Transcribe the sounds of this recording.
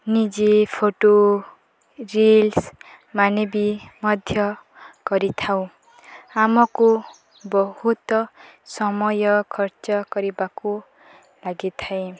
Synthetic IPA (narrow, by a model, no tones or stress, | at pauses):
nid͡ʒepʰoʈo | rils | manʌbimʌd̪ʱjʌ | kʌɾit̪ʰaw̃ | amʌko | bɔhut̪ɔsʌmʌjʌkʰʌrt͡ʃʌkʌɾibako | laɡit̪ʰaẽ